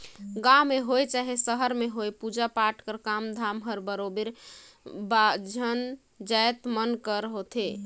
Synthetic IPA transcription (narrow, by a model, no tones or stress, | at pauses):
ɡameɦojt͡ʃaɦesəɦəɾmeɦojpud͡ʒapaʈkəɾkamd̪ʱamɦəɾbəɾobiɾ | bad͡ʒʱən | d͡ʒajt̪mənkəɾəɦot̪ʰe